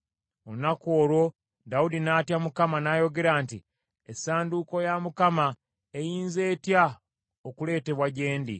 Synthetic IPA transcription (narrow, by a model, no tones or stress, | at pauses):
onakoːɾo̞ | daudinaːtjamukamanaːjo̞ɡe̞ɾaːnti | esaːnduko̞jamukama | ejiːnze̞ːtja | okule̞ːte̞βwaɟe̞ːndḭ